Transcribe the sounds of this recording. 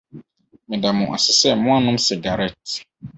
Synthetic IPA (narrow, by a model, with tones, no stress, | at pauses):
mɪ̃˨da˨mʊ̃˨ʔa̰˨sɪ˨sɛ˦mʊ̃˦a˦nʊ̃˦m˦si˨ɡa˨ɾɛ˦t